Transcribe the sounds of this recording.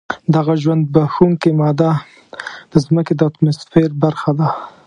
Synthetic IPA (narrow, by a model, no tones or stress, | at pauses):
d̪aɣaʒwand̪̚baxuŋkemɑd̪a | d̪̥əzməked̪əat̪mosfeɾbaɾxad̪a